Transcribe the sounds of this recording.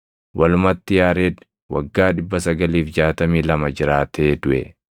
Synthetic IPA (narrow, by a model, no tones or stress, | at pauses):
wɐlʊmɐt̪ːɪjaːɾeːd̪ | wɐɡːaːᶑɪbːɐsɐɡɐliːfd͡ʒaːt̪ɐmiːlɐmɐd͡ʒɪɾaːt̪ʰeːd̪ʊʔɛ